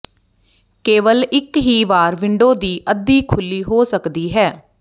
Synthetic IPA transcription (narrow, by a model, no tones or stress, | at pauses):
keːʋəlɪkɦiːʋaːɾʋɪɳɖoːd̪iːʔəd̪iːkʰʊlːiːɦoːsəkd̪iːɦɛː